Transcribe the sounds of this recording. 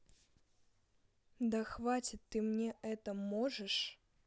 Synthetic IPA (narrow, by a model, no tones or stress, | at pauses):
d̪ɐxvat͡sʲɪt̪ʲːɨmnʲɛʔɛt̪əmɔʐɨʂ